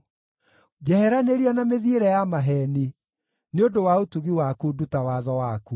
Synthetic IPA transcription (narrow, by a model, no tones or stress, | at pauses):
d͡ʑɛhɛɾaneɾianameðieɾɛjamaɦɛni | neondowaotuɣiwakudutawaðɔwaku